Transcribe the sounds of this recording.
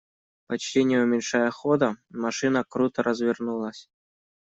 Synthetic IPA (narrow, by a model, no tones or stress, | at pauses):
pɐt͡ɕtʲenʲɪjeumʲɪnʲʂɑjəχod̪ɤ̆mɑʂɨnɑkrut̪ɤ̆ɾʔɑzvʲɪrnulˠɑsʲ